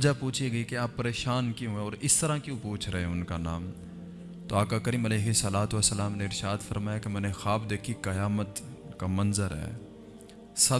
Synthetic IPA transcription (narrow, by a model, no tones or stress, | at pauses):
d͡ʒapuːt͡ʃʰiɡɐikeaːpːɐɾeːʃaːnkjõɦẽɔːɾɪst̪ɐɾãkjõːpuːt͡ʃʰɾɐɦeʊnkanaːm | t̪oːaːkakəɾiːmɐleːɦɪsɐlaːt̪ʋəsːəlaːmneɪɾʃaːd̪fɐɾmaːjakemɛ̃ːnexaːbd̪eːkʰikɐjaːmət̪kamɐnzəɾɦɛ̰ː | sɐ